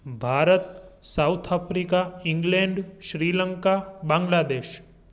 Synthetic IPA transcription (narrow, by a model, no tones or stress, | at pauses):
bʱaːɾət̪sawt̪ʰapʰɾikaĩŋɡlẽɳɖʃɾiːləŋkabãːŋɡlad̪eːʃ